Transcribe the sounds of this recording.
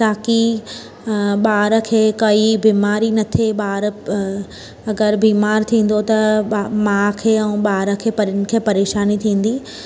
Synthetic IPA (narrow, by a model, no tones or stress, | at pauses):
t̪aːki | ɓaːɾə̆kʰeːkɐibiːmaːɾinɐt̪ʰeɓaːɾ | ɐɡəɾbiːmaːɾt̪ʰĩːn̆d̪ot̪ɐmãkʰeːɛ̃ũɓaːɾə̆kʰeːpɐɾnɪ̆kʰeːpɐɾeːʃaːnit̪ʰĩːn̆d̪iː